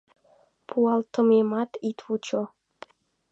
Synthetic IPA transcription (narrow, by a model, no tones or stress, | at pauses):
pʰuɑlt̪ə̆memɑt̪it̪vut͡ʃo